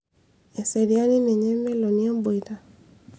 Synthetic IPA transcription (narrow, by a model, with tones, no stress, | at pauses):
e˨se˨ɾja˦ni˦ne˨ɲe˦me˦lo˨ni˦e˦mbo˨i˨ɾa˨